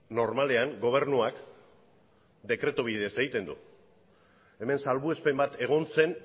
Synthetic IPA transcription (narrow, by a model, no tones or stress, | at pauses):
no̞ɾmale̞aŋɡo̞β̞e̞ɾnuak | d̪e̞kɾe̞t̪oβ̞iðe̞se̞ɣit̪e̞nd̪ṵ | e̞me̞nsalβue̞spembat̪e̞ɣ̞o̞nse̞n